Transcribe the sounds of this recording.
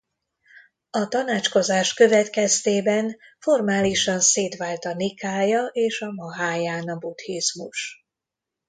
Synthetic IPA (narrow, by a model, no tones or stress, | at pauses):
ɒt̪ɒnaːt͡ʃko̞zaːʃkø̞vɛt̪kɛst̪eːbɛnfo̞rmaːliʃɒnseːt̪ʋaːlt̪ɒnikaːjɒʔeːʃɒmɒɦaːjaːnɒbut̪hizmuʃ